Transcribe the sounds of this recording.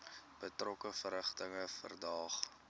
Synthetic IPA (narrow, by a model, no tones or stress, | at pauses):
b̥ətrɔkəfəɾəχtəŋəfə̰rdɑːχ